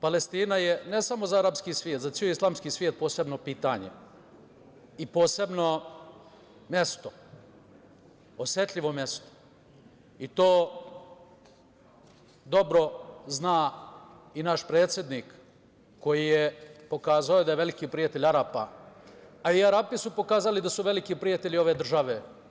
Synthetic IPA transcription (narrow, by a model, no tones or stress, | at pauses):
pale̞st̪iːnajenesamo̞zaaɾapskiːsʋjeːt̪zat̪ioislˠaːmskiːsʋʲjeːt̪̚poːse̞bno̞piːt̪aːɲḛ | ipo̞ːse̞bno̞ | mje̞st̪o̥ | osje̞t̪ʎʲiʋo̞mje̞st̪o̥ | it̪oː | d̪o̞bɾo̞znaː | inaʃpɾe̞ːt̪sʲjed̪nikː | o̞jijepo̞kaːzaod̪ajeʋe̞likiːpɾijat̪e̞ʎʲaɾapa | aiaɾapisupo̞kaːzalid̪asuʋe̞likipɾijat̪eʎio̞ʋe̞ːd̪r̩ʒaʋe